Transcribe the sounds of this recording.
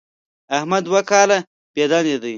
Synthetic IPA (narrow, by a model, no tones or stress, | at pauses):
ahmad̪wakɑːla | b̥ed̪ɑned̪əj